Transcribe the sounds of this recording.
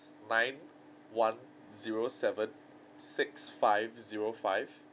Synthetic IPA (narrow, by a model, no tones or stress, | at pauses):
nãɪ̃n | wãn | ziɹosɛvə̃n | sɪksfaɪvziɹofaɪv